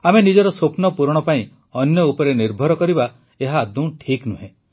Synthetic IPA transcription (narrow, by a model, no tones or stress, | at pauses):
amenid͡ʒɔɾɔsopnɔpuɾɽ̃ɔpaĩ | ɔnjɔupɔɾeniɾbʱɔɾɔkɔɾiba | eɦaːd̪ũʈʰiknuɦẽ